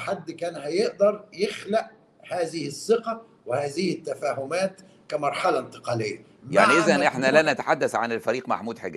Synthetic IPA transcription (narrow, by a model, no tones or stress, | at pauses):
ħad̪ːkæːnhæjeʔd̪ɑɾˤjɪxlaʔ | haːzɪhɪsːɪqɑ | wɪhaːzɪhɪt̪ːæfaːɦʊmæːt̪ | kæmɑɾˤħalant̪ɪ̥qɑːlɪjːa | ja̰ʕniʔɪzænʔeħnælænæt̪ḁħad̪ːæθʕanelfæɾiːqma̰ħmuːd̪ħeɡæ